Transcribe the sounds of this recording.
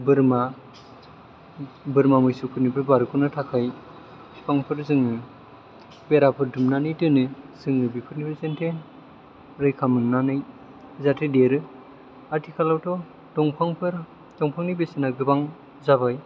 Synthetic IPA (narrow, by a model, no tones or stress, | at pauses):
bɯɾma | bɯɾmamɯjsukʰɯɾnipʰɯɾbaɾkʰɯnɯtʰakʰaj | sipʰaŋpʰɯɾzɯŋɯ | beɾapʰɯɾdumnanɯjtɯnɯzɯŋnɯbipʰɯɾnipʰɯɾzentʰen | ɾɯjkʰamɯnnanɯj | zatʰɯdeɾɯ | aɾtʰikʰalawtʰɔ | dɔŋpʰaŋpʰɯɾ | dɔŋpʰaŋnijbesɯnaɡɯbaŋ | zaβaj